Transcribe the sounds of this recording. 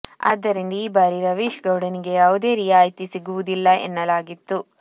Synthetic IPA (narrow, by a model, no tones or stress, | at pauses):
ɐ̰ːd̪ːɐɾind̪ɐiːbaːɾiɾɐʋiːʃɡɐwɽɐniɡe̞jaːʋud̪e̞ːɾijaːjt̪isiɡuʋud̪ilːɐʔḛnːɐlaːɡit̪ːu